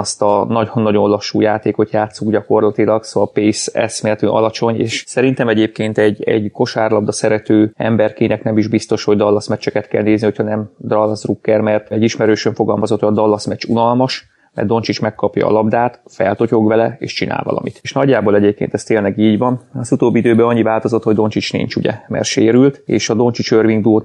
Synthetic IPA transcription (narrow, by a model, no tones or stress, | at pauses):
ɒst̪ɒnɒɟhɒnːɒɟonolɒʃːuːjaːt̪eːko̞t̪jaːt̪suɡɟɒko̞rlɒt̪ilɒksoɒlpeːsɛ̰smɛt̪yːʔɒ̰lɒt͡ʃo̞ɲḛːʃsɛɾint̪ɛmɛɟeːp̚keːnt̪ɛɟɛ̰ɟko̞ʃaːrlɒbd̪ɒsɛɾɛt̪øːɛ̰mbɛrkinɛknɛmiʒbist̪o̞ʃho̞ɟd̪ɒlːɒsmɛt͡ʃːɛkɛt̪kɛlneːzniho̞cʰhɒnɛmd̪rɒlːɒsrukːɛrmɛrt̪ɛɟiʃmɛɾøːʃøɱfo̞ɡɒlmɒzo̞t̪ʰːɒd̪ɒlːɒsmɛt͡ʃunɒlmɒʃ | mɛ̰rd̪o̞nt͡ʃit͡ʃmɛkːɒpjɒ̰ːlɒbd̪aːt̪fɛ̰lt̪o̞co̞ɡʋɛlɛḛːʃt͡ʃinʔa̰ːlvɒ̰lɒ̰mḭt̪ːʃnɒɟːaːboːlɛɟeːp̚kḛːnt̪ɛst̪eːnlɛɡiːɟʋɒnɒzut̪oːbːiid̪øːbɛɒɲːivaːlt̪o̞zot̪ho̞ɟd̪o̞nt͡ʃit͡ʃnḭɲt͡ʃuɟɛ̰mɛ̰rʃeːɾylt̪ḛːʃɒd̪o̞nt͡ʃit͡ʃørviŋɡ̚d̪uot̪